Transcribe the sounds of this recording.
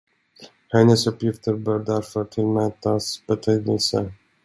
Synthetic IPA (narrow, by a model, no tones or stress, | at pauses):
hɛnːəsɵpjɪft̪əɾbœːɾɖ̪æɾfœɾʈ̪ʰɪlmæːt̪asbɛt̪ʰɛːd̪əlsə̰